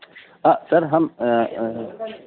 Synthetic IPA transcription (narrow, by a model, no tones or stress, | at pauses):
asɐɾɦɐm